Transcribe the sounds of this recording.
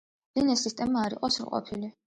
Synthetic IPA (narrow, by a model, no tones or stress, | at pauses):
vinɛsːist̪ʼɛmaːɾḭqʼɔsɾqʼɔ̰pʰili